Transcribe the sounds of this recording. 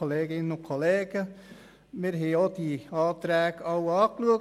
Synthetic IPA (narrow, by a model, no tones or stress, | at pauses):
oleːɡɪnənʊkʰoleːɡ̥ə | mɪːɾɦɛɪod̥iɑːt̪ɾɛːɡɑwɑːkluək